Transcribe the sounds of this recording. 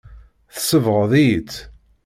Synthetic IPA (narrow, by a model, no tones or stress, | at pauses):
θəsəvʁəðit͡s